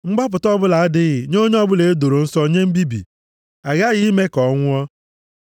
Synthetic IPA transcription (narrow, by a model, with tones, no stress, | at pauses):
ŋ͡m̩˦ɡ͡ba˦p̬ʊ˨tɔ˦bʊ˦la˨a˦dɪ˦ɣɪ˨ɲo˦ɲe˦ɔ˦bʊ˦le˨e˦do˨ɾo˨n̩˦so˦ɲe˦m̩˦bi˦bḭ˨ | a˨ɣa˦ɣɪ˦me˦kɔ˨ŋʷʊ˦ɔ˦